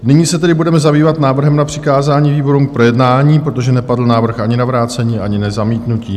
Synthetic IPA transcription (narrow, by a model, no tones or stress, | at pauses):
nɪɲiːsɛt̪ɛdɪbudɛmɛzabiːvat̪naːvr̩ɦɛmnapr̥ɪkaːzaːɲiːviːbo̞ɾumk̚pɾo̞jɛdnaːɲiːpɾo̞t̪oʒɛnɛpadl̩naːvr̩xʔaɲɪnavɾaːt͡sɛɲiːʔaɲɪnɛzamiːt̪nuciː